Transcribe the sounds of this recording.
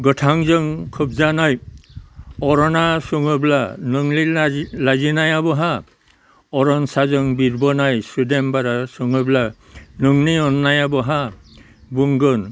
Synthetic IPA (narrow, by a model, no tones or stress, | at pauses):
ɡɔtʰaŋzɔŋkʰub̚zanaj | ɔɾɔnasuŋɔblanuŋlilazinajabɔɦa | ɔɾɔnsazɔŋbiɾbɔnajsudembaɾasɔŋɔbla | nuŋniɔnːajabɔɦa | buŋɡɔn